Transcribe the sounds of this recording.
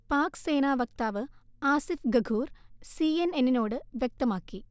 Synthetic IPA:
paːkse̞ːnaːʋɐk̚t̪aːʋɨaːsifɡɐɡʱuːrsiːenenːino̞ːɽɨʋjek̚t̪ɐmaːkːi

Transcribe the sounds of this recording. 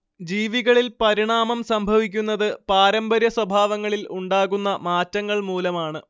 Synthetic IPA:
d͡ʑiːʋiɣɐɭilpɐɾiɳaːmɐmsɐmbʱɐʋikʲːunːɐðɨpaːɾɐmbɐɾjɐswɐbʱaːʋɐŋːɐɭiluɳɖaːɣunːɐmaːtːɐŋːɐɭmuːlɐmaːɳɨ

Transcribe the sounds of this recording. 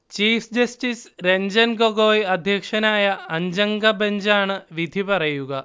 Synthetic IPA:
t͡ʃiːfʰd͡ʑɐsʈisɾeɲd͡ʑɐnɡoɡoːjɐd̪ʱjɐkʂɐnaːjɐɐɲd͡ʑɐŋɡɐbɐɲd͡ʒaːɳɨʋid̪ʱipɐɾɐjuɡɐ

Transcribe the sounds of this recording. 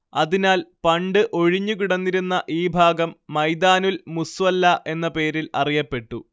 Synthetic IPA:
ɐðinaːlpɐɳɖɨʔo̞ɻiɲːuk̬iɽɐnːiɾunːɐʔiːbʱaːɡɐmːɐjd̪aːnulmusʋɐlːɐʔe̞nːɐpe̞ːɾilɐrijɐpːe̞ʈːu

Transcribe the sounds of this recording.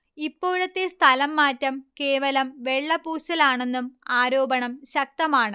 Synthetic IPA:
ipːo̞ːɻɐt̪ːest̪ʰɐlɐmːaːtːɐmke̞ːʋɐlɐmʋe̞ɭːɐpuːɕɐlaːɳenːumaːɾo̞ːbɐɳɐmɕɐk̚t̪ɐmaːɳɨ

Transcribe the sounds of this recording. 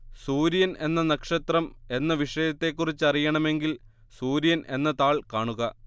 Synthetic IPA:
suːɾijɐne̞nːɐnɐkʂɐt̪rɐme̞nːɐʋiʂɐjɐt̪ːe̞kːurit͡ɕːɐrijɐɳɐme̞ŋɡil | suːɾijɐnʔe̞nːɐt̪aːɭkaːɳuɣɐ

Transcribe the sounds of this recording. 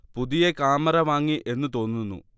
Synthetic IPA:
puðijekaːmɐɾɐʋaːŋːiʔe̞nːɨt̪o̞ːnːunːṵ

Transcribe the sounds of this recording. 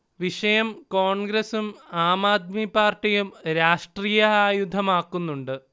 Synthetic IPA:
ʋiʂɐjɐmkoːɳɡɾɐsumaːmaːd̪̚mipaːrʈijumɾaːʂʈriːjɐaːjud̪ʱɐmaːkːunːuɳɖɨ

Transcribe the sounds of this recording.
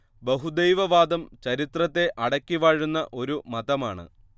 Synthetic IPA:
beɦud̪ejʋɐʋaːd̪ɐmt͡ɕɐɾit̪rɐt̪ːe̞ʔɐɽɐkʲːiʋaːɻunːɐʔo̞ɾumɐd̪ɐmaːɳɨ̰

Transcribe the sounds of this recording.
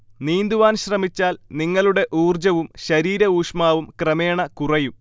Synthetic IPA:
niːnd̪uʋaːnɕrɐmit͡ɕːaːlniŋːɐɭuɽe̞ʔuːrd͡ʑɐʋumɕɐɾiːɾɐuːʂmaːʋumkrɐmeːɳɐkurɐjum

